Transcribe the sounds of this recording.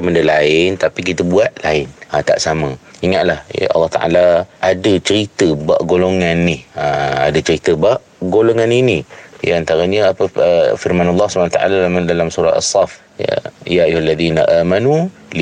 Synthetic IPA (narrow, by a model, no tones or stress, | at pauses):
məndəlaɪnt̪apik̬it̪əbuat̪̚laɪnat̪aʔsaməiŋat̪̚lahʔɑ̰lːɑht̪a̰ʔa̰laʔadət͡ʃəɾit̪əba̰ʔɡoloŋanːihaa̰dət͡ʃəɾit̪əbaʔ | ɡoloŋaninija̰ant̪aɾəɲəapəəfiɾmanalːɑhsubanat̪a̰ʔa̰lamdalamsuɾaa̰sːɑf | jə̰jajuhalːaðinaʔaːmanu | l